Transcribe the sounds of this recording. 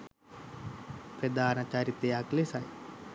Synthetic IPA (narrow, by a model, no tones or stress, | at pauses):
pɾɐd̪aːnɐt͡ʃaːɾit̪ejaːklesaj